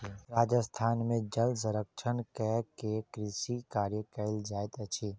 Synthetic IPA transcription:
ɾaːd͡ʒəst̪ʰaːnmẽd͡ʒəls̬əɾəkʃʰənkɛkekɾisikaːɾjəkəld͡ʒaːet̪ət͡ʃʰiː

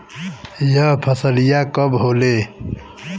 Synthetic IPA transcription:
jʌɦpʰəsəlijakəbɦoːle

